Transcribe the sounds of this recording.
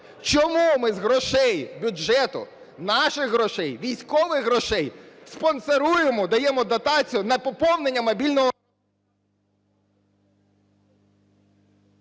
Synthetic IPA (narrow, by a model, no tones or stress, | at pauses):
t͡ʃɔmumɪzɦɾɔʃɛjbʲʊd͡ʒʒɛt̪ʊ̰ | nɑʃɪxɦɾɔʃɛjʋʲijsʲkɔʋɪxɦɾɔʃɛjspɔnseɾujemɔd̪ɐjɛmɔd̪ɐt̪ɑt͡sʲijʊnɐpɔpɔwnenʲːɐmɐbʲilʲnɔɦɔ